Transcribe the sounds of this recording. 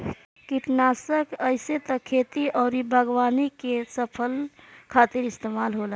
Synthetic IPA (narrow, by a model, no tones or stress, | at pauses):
kiʈnaːsəkəɪset̪əkʰet̪iʔɔːɾibʱəɡwaːnikesəpʰəlkʰaːt̪ɪɾɪst̪emaːlɦola